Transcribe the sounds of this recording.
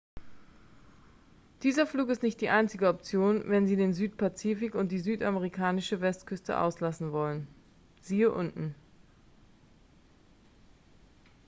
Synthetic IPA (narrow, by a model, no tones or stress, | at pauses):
d̥iːzɐfluːkɪstnɪçt̚d̥iːʔaɪnt͡sɪɡəɔp̚t͡sjoːnvɛnziːdeːnzyːtpat͡siːfɪkʊntd̥iːzyːtaməʁikʰaːnɪʃəvɛstkʰʏstə̰ʔa̰ʊslasn̩vɔlən | ziːəʔʊntn̩